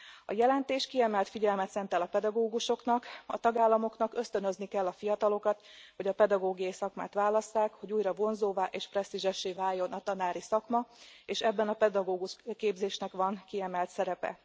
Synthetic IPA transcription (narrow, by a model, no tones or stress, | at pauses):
ɒ̰jɛlɛnt̪eːʃkiɛmɛlt̪fiɟɛlmɛt̪sɛnt̪ɛlɒpɛd̪ɒɡoːɡuʃo̞knɒkɒ̰t̪ɒɡaːlːɒmo̞knɒkø̞st̪ø̞nøznikɛlːɒfijɒt̪ɒlo̞kɒt̪ho̞ɟɒpɛd̪ɒɡoːɡijɒjisɒkma̰ːt̪ʋaːlɒsːaːkho̞ɟuːjrɒvo̞nzoːvaːʔeːʃprɛst̪iʒɛʃːeːvaːjːo̞nɒt̪ɒnaːɾisɒkmɒeːʃɛbːɛnɒpɛd̪ɒɡoːɡuʃkeːbzeːʃnɛkʋɒnkiɛmɛlt̪sɛɾɛpɛ̰